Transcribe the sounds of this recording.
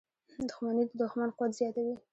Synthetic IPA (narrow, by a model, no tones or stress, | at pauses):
d̪ʊxmanid̪əd̪ʊxmanqʊwat̪zjɑt̪awi